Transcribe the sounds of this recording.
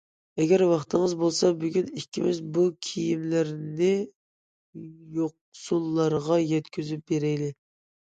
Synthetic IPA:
ɛɡʲɛɾwɑχt̪ʰəŋəzbolˠsɑbyɡʲynikʲʰːimɪzbukʲʰijimlɪɾnɪ | joq̚sulˠːɑɾʁɑjɛt̪kʲʰyzyp̚beɾɛjlɪ

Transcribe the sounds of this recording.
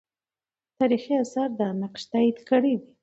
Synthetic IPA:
t̪ɑɾixiasɑɾd̪anaqʃt̪aid̪kəɽed̪i

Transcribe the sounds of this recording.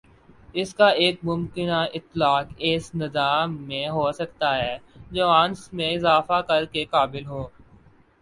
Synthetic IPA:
ɪskaeːk̚mʊ̃mkɪnaɪt̪ːlaːkɪːsnɪzaːmːẽɦoːsɐk̚t̪aɦɛːd͡ʒoːaːnsmẽɪzaːfakɐɾkekaːbɪlɦoː

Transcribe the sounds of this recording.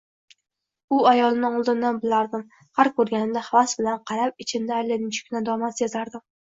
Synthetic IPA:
ʊajɒlˠnɪɴʊlˠd̪ɪnd̪anbɪlaɾd̪ɪm | haɾkʰːɵɾɡʲanɪd̪ahavasbɪlanqʰɑɾap̚ɪt͡ʃʰɪnd̪aːjlanɪnt͡ʃʰɪ̥kʲʰnad̪ɒmasjezaɾd̪ɪm

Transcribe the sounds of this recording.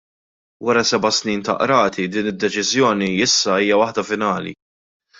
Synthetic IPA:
wɐɾɐsɛbɐsniːnt̪ɐ̰ʔɾɐːt̪ʰid̪iːnɪd̪ːɛt͡ʃɪzjɔːniɪsːɐiːjɐwɐħd̪ɐfɪnɐːlḭ

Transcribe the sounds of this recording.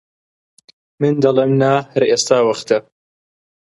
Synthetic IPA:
mɨnd̪ɐleːmnaːhɐɾʔeːst̪aːwɐχt̪ɐ

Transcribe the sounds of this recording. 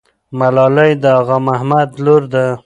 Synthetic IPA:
malɑlajd̪əaɣamahmad̪loɾd̪a

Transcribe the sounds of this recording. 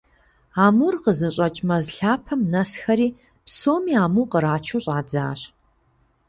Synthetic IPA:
aːmurqəzɨɕʼɐt͡ʃʼmɐzɬaːpʰɐmnɐsxɐɾiː | psoːmiːaːmuːqəɾaːt͡ʃʰuːɕʼaːd͡za̰ːɕ

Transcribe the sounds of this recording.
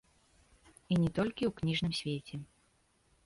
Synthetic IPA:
inʲɛt̪ɔlʲkʲiwknʲiʐnɨmsʲvʲet͡sʲɛ

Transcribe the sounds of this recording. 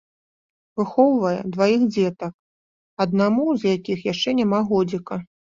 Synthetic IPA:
vɨxɔwvɐjɛ̰d̪vajixd͡zʲɛt̪ɐk̚ | ɐd̪̚namuzjakʲixjaʂt͡ʂɛnʲamaɣɔd͡zʲikɐ

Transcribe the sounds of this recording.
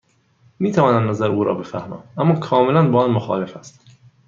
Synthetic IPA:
miːt̪ʰævɒːnæmnæzæɾuːɾɒ̰ːbe̞fæhmæ̰ːʔæmːɒːkʰɒːmelænbɒːɒnmoxɒ̰ːle̞fæst̪

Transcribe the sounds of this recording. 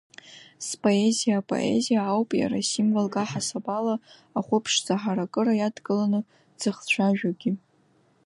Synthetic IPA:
spʼo̞e̞zijaːpʼo̞̰ʔe̞̰zijaːwpʼja̰ɾasimvalkʼaħasabala | aχʷʊpʰʂzaħaɾakʼɨɾajadɡʼɨlanɨ | d͡z̥ɨχt͡ɕʷʰaʒᶣaɡʲi

